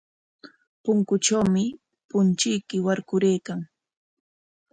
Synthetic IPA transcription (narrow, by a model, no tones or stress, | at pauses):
pʊŋkʊʈ͡ʂawmɪ | pʊnt͡ʃɪjkɪwaɾkʊɾejkaŋ